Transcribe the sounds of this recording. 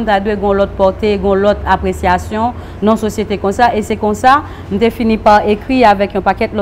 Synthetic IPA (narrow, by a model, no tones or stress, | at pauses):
n̩t̪ad̪weɡɔ̃lɔt̪̚pɔʁt̪eɡɔ̃lɔt̪apʁesjasjɔ̃ | nɔ̃sosjet̪ekɔ̃saʔesɛkɔ̃sa | nũt̪efinipaʁekʁiavɛkɔ̃pakɛt̪lɔ